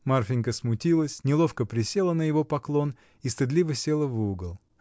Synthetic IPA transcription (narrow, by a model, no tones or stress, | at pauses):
marfʲɪnʲkəsmʊtʲilˠəsʲnʲɪlˠo̞fkəpɾʲɪsʲe̞lˠənəjɪvo̞pɐklˠo̞n | ist̪ɨd̪lʲivəsʲe̞lˠəvɨʊɡəlˠ